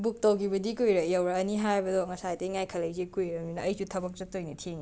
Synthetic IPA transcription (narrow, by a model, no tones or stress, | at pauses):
buk̚tɐwɡibɐdikujɾɐjawɾɐːniɦajbɐdɔŋɐsajtɐiŋajkʰɐlɐjzekujɾɐminɐɐjsutʰɐbɐk̚sɐtojnitʰeŋi